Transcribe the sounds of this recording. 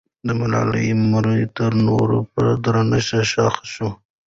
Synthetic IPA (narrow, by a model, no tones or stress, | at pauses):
d̪əmalɑ̰lə̰jmaɾət̪əɾnoɾopəɾad̪ɾanəʃaʃɑxʃu